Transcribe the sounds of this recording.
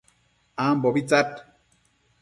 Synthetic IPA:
ambɔbit͡sat̚

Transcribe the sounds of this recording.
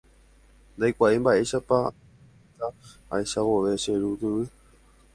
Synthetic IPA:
nd̪ajkʷaʔembaʔe̞ʃapa | t̪aa̰jʃaʋoʋeʃeɾut̪ɨʋɨ

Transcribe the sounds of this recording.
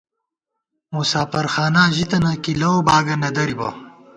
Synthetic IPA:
musaːfɐɾxaːnaːʑit̪ɐnɐkilɐobaːɡɐnɐd̪ɐɾibɐ̰

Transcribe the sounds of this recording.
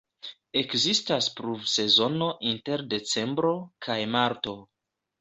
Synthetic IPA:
e̞kzistaspɾuvse̞zo̞no̞ʔinte̞ɾde̞t͡se̞mbɾo̞kʰajmaɾto̞

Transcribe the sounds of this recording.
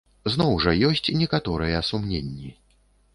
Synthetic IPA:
znɔwʐɐjɔsʲt͡sʲnʲɛkat̪ɔɾɨjɛɐsumnʲenʲːi

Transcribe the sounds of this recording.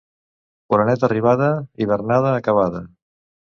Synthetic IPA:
puɾanɛt̪əriβ̞aðəiβ̞ərnaðəːkəβ̞aðə

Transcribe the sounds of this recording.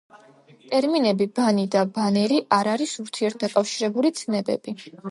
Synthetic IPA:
t̪ʼɛɾminɛbibanid̪abanɛɾiʔaɾaɾisuɾt̪ʰiɛɾt̪ʰd̪akʼafʃiɾɛbulit̪sʰnɛbɛ̰b̥i

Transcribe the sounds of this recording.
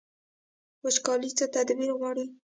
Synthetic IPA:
wəʃkɑlit͡sət̪ad̪biɾɣɑɽi

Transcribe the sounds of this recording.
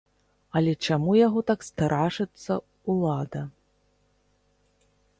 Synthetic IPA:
ɐlʲɛt͡ʂamujaɣɔt̪akst̪aɾʔaʂɨt̪sːɐ | ulˠad̪ɐ

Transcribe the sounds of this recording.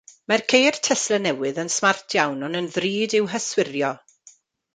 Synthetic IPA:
mɛrkʰejrtʰɛslɛnɛwɨðənsmartʰjawnɔnənðriːdɪwɦəswɪrjɔ

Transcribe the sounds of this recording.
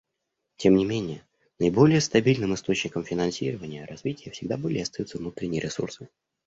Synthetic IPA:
tʲe̞mnʲɪmʲenʲɪjə | nəɪbo̞lʲɪjəst̪ɐbʲilʲnɨmɨst̪o̞t͡ɕnʲɪkəmfʲɪnɐnsʲiɾəvənʲɪjəɾɐzvʲitʲɪjəfsʲɪɡ̚d̪abɨlʲɪɐst̪ɐjut̪səvnut̪ɾʲɪnʲɪjɪɾʲɪsṵrsɨ

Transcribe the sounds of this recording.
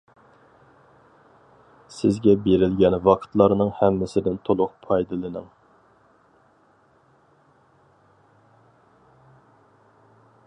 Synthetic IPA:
sɪzɡʲɛbeɾɪlɡʲɛnvɑqʰə̥t̪lˠɑɾnɨŋhɛmːɪsɪd̪ɪnt̪ʰolˠʊq̚pʰɑjd̪ɨlˠɨnɨ̰ŋ

